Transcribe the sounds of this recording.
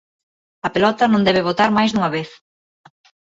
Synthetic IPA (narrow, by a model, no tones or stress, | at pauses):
ɐpelɔt̪ɐnõnd̪ɛβeβot̪aɾmajzðuŋɐβeθ